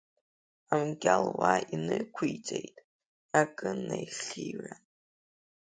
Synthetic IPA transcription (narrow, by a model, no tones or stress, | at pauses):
amɡʲalwainɨkʷʰujt͡sʼejtʼ | akʼɨnajχira